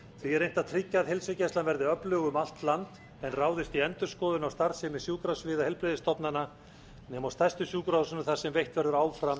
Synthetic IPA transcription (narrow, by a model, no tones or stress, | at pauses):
θviɛɾejn̥t̪aðt̪ʰɾɪcːaðhɪlsɪcast̪lanvɛɾðɪœplʏːɣʏmal̥t̪lant̪ | ɛnraːwðɪst̪iɛnt̪ʏɾ̥skɔːðʏnawst̪aɾsɪmɛsjuːkɾasvɪːðahɛlpɾɪðɪst̪ʰɔpnanːa | nɛːmawst̪ajst̪ʏsjuːkɾasʏnʏθḁsɛmvejht̪vɛɾðʏɾaːwfɾam